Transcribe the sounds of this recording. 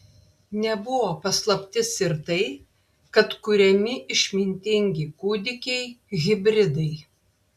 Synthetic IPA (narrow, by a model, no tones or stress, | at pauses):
nʲɛbʊʋoːpɐslˠɐpʲt̪ʲɪsɪɾt̪ɐɪ | kɐt̪kʊɾʲɛmʲɪʔɪʃʲmʲɪnʲt̪ʲɪŋʲɡʲɪkuːd̪ʲɪkʲɛɪɣʲɪbʲɾʲɪd̪ɐɪ